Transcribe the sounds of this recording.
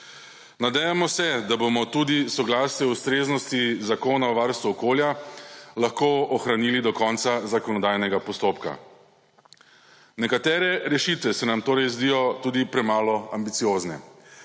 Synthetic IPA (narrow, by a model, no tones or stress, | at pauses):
nad̪ɛjamɔsɛd̪abomɔt̪ud̪isɔɡlaːsnɛust̪ɾeːznɔst̪izakoːnaɔʋaɾst̪uɔkoːljalaxkoːɔxɾaniːlid̪ɔkɔnt̪sazakɔnɔd̪ajnɛɡapɔst̪oːpka̰ | nɛkat̪ɛːɾɛɾɛʃit̪ʋɛsɛnamt̪oːɾɛjzd̪ijɔt̪uːd̪ipɾɛmaːlɔambit̪sijoːznɛ̰